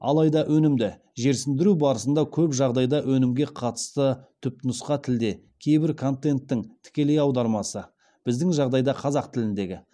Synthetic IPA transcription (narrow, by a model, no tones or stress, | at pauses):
ɑ̰lˠɑjd̪ɑʔɵnɪmd̪ɪ | ʒe̞ɾsɪnd̪ɪɾubɑɾəsənd̪ɑkʲʰɵpʒɑʁd̪ɑjd̪ɑʔwʔɵnɪmɡʲe̞qʰɑt̪ə̥st̪ət̪ʰʏp̚t̪nʊsqɑt̪ʰɪld̪e̞ | kʲʰe̞jbɪɾkʰo̞nt̪e̞nt̪ːɪŋt̪ʰɪ̥kʲe̞le̞jɑwd̪ɑɾmɑsə | b̥ɪzd̪ɪŋʒɑʁd̪ɑjd̪ɑqʰɑzɑqt̪ʰɪlɪnd̪e̞ɡʲɪ